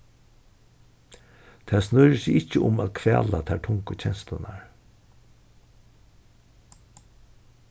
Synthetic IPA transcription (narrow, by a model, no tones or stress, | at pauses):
t̪ʰaːsnʊɾəsɪɪcːəʊmaːðkʰvɛːlat̪ʰaʈʰʊŋkət͡ɕʰɛnslʊnaɹ